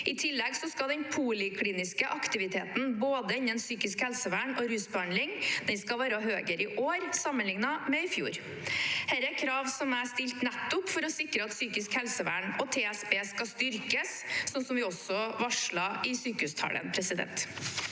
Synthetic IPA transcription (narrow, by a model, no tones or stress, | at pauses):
ɪt̪ʰɪlːɛɡsɔskɑld̪ɛnpʰulɪkʰliːnɪskəʔɑkt̪ɪʋɪt̪ʰeːt̪n̩boːd̪əɪnːənsyːkɪskhɛlsəʋæːɳɔɾʉːsbɛɑnd̪lɪŋd̪̥ɛnskɑʋæːɾɑɦøːɡəɾɪʔoːɾsɑmːənlɪŋnɑmɛɪfjṵːɾ | hæːɾækʰɾɑːʋsɔmæst̪ɪlt̪nɛt̪ːʊpfɔɾɔsɪkɾəɑt̪syːkɪskhɛlsəʋæ̰ːɳɔt̪ʰeːɛsbeːskɑst̪ʏɾkəssɔnsɔmʋɪɔsɔʋɑʂɭɑɪsyːkəhʉːst̪ʰɑ̰ːlə̰npʰɾɛsɪd̪ɛ̰nt̪